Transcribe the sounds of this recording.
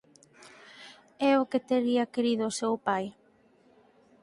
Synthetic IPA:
ɛʊket̪eɾiɐkeɾiðʊsewpaj

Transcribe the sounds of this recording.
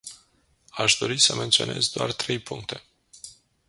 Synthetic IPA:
aʃd̪o̞ɾisəme̞nt̪sione̞zd̪oa̰rt̪ɾe̞jpuŋkt̪e̞̥

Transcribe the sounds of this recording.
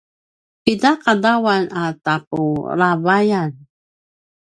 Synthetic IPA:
pidakadawanatapuɾavajan

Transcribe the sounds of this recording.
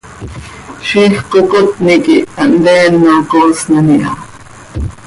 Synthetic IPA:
ʃihqokot̪nikiand̪eːnːokosnaniʔɑ̰

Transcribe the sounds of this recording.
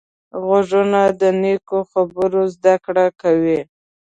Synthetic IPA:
ɣaʒunad̪ənekoxabəɾozd̪akɽakawi

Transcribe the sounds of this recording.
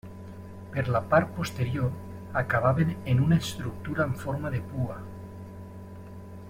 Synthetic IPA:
peɾlapaɾt̪̚post̪eɾjoɾ | akaβ̞aβenenunaest̪ɾuk̚t̪uɾaeɱfoɾmaðepua

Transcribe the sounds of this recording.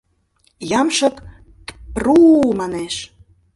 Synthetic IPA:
jɑmʃə̆k | prumɑneʃ

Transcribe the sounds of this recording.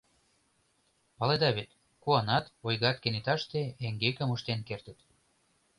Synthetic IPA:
pɑled̪ɑβet̪ | kuɑnɑt̪ojɣɑt̪kenit̪ɑʃt̪eeŋɡekə̆muʃt̪enkert̪ə̆t̪

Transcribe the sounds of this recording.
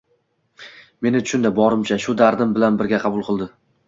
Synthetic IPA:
me̞nɪt̪ʰʊ̥ʃʊnd̪abɒɾɪmt͡ʃʰaʃʊd̪aɾd̪ɪmbɪlanbɪɾɡʲaqʰɑbʊlˠqʰɨlˠd̪ɪ

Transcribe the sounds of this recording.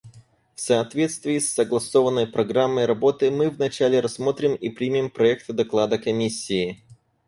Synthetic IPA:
fsɐːt̪vʲe̞t̪st̪vʲɪːsːəɡlˠɐso̞vənːəjpɾɐɡɾamːəjɾɐbo̞t̪ɨmɨvnɐt͡ɕælʲɪɾɐsːmo̞t̪ɾʲɪmipɾʲimʲimpɾɐɛkt̪ɨd̪ɐklˠad̪əkɐmʲisʲːɪː

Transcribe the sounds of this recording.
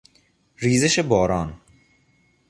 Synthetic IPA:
ɾiːzeʃebɒːɾɒːn

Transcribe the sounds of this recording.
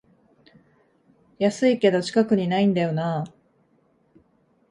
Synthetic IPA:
jasɨike̞d̪o̞t͡ɕi̥kakɯ̟ɲ̟inaĩnd̪ajo̞na

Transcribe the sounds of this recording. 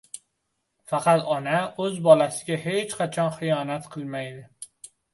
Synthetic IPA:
fæqæt̪ʰɒnæozbɒːlæsɪ̥ɡʲæɦet͡ʃqʰæt͡ʃʰɒnxijɒːnæt̪qʰɨlmæjd̪ɪ

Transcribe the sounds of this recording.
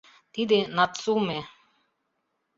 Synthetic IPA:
t̪id̪enat̪sume

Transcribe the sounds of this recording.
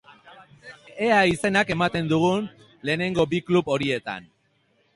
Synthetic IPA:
e̞aise̞nake̞mat̪e̞nd̪uɣ̞un | le̞ːne̞ŋɡo̞biklupo̞ɾie̞t̪a̰n

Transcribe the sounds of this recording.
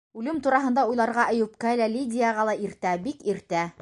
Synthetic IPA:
ʉlɘmt̪uɾɑɦɤ̆nd̪ɑujlˠɑɾʁɑʔɤ̆jupkælælʲidʲɪjaʁɑlˠɑiɾt̪æbikiɾt̪æ

